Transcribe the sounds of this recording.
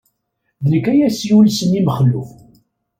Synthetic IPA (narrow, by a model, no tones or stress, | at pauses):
ðnəkːæjæsiulsənːiməχəlːuf